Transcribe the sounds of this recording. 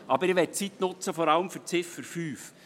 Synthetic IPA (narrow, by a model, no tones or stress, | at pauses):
ʔɑbəɾɪʋɛt̚t͡sit̪nʊt͡səfɔɾɑləmfʏɾt͡sɪfəɾfyːf